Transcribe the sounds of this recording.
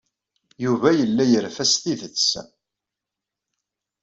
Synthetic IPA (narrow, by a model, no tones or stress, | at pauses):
juvæjəlːæjəɾfæst̪iðət͡sː